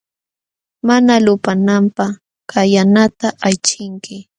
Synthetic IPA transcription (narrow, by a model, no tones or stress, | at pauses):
manalʊpanampaχ | kajanat̪aʔajt͡ʃɪŋkɪ